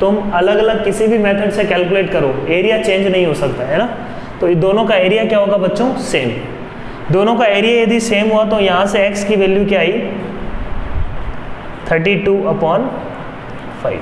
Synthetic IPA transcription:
t̪ʊmɐləɡɐləɡ̚kɪsibʱimeːt̪ʰəɖsẽkɛːlkuleːʈkɐɾoeːɾijat͡ɕẽːɲd͡ʒnɐɦĩɦosɐkt̪aɦɛːna | t̪oːd̪oːnõkaeːɾijakijaɦoːɡabɐtːt͡ʃõseːm | d̪oːnõkaeːɾijaed̪ʱiseːmɦuat̪̬ojɐɦãsẽeːkskiʋeːljukiaːiː | t̪ʰəɾʈiʈuːɐpɔːn | faɪʋ

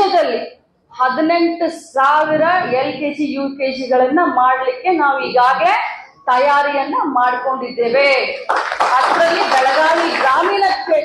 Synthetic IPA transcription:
ɐd̪ɐlːi | hɐd̪ine̞ɳʈusaːʋiɾɐelkeːd͡ʒijuːkeːd͡ʒiɡɐɭɐnːɐmaːɽɐlikːe̞naːʋuiːɡaːɡle̞ | t̪ɐjaːɾijɐnːɐmaːɽiko̞ɳɖid̪ːeːʋe | ɐt̪ɾɐlːibɛɭɐɡaːɭiɡɾaːmiːnɐkːe

